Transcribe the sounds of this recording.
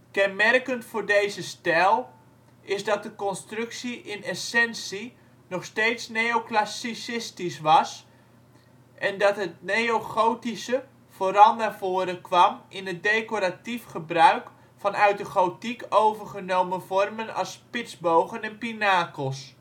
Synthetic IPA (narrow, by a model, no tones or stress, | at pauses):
kɛnmɛrkəntfʊːrdejzəstɛlˠ | ʔɪsdɑt̚dəkɔnstrɵksiʔɪnɛsɛnsi | nɔχsteːtsnejoklasisɪstisʋɑs | ʔɛndɑtɦət̚nejoχowtisə | v̥oːɾɑlˠnarvoːəɾəkʋɑmɪnɦət̚dejkoɾatifχəbrœɥk | fɑnœɥt̚dəχowtikowvərχənowməvɔrmənɑ̰spɪtzbowɣənɛnpinaːkəlˠs